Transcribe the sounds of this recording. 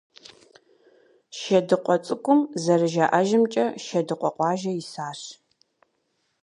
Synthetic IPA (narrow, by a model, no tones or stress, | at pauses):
ʃɐdɨqʷʼɔt͡sʼɨkʷʊmzɐrɨʒaːʔɐʒɪmt͡ʃʼɐʃɐdɨqʷʼɔqʷɑːʒɐɪsaːɕ